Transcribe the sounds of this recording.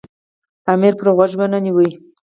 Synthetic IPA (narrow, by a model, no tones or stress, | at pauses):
amiɾpɾɣwaʒbananiwəj